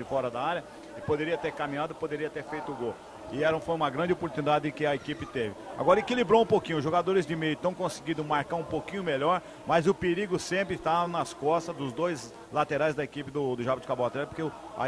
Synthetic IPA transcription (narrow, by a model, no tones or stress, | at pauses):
ɪfɔɾɐd̪ɐaɾjɐ | ɪpod̪eɾiɐt̪eɾkamĩɲad̪ʊɪpod̪eɾiɐt̪eɾfejt̪ʊʊɡow | ɪɛɾɐ̃w̃fojũmɐɡɾɐ̃nd͡ʒɪopoɾt̪unid̪ad̪ɪɪkɪɐekipɪt̪evɪa̰ɡɔɾɐekilibɾoũpokĩɲʊʒoɡad̪oɾɪzd͡ʒɪmejʊt̪ɐ̃w̃kõsɪɡĩd̪ʊmaɾkaɾũpokĩɲʊmeʎɔɾ | mɐzʊpeɾiɡʊsẽmpɾɪt̪anɐskɔst̪ɐzd̪ʊzd̪ojz | lat̪eɾajzd̪ɐekipɪd̪ʊd̪ʊʒabɪt̪ɪ̥kaboat̪ɾɛt̪poɾkeʊ | a̰